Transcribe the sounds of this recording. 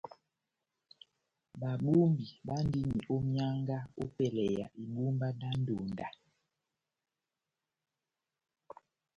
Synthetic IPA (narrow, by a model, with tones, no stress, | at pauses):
ɓa˨ɓu˦mbi˨ɓa˦n˦di˦mi˨ʔo˦mja˦ŋɡa˦o˦pɛ˨lɛ˨ja˨ʔi˨ɓu˦mba˦da˦n˦do˨nda˨